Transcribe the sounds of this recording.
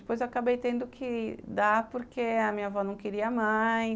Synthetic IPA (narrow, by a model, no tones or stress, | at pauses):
ɪpojzewaakabejt̪ẽnd̪ʊkʰɪd̪apoɾkeɐmĩɲɐvɔnɐ̃w̃kɪɾiɐmaj